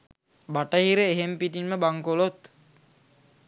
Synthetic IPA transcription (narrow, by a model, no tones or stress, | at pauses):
baʈəɦiɾəeɦempiʈinməbaŋkolot̪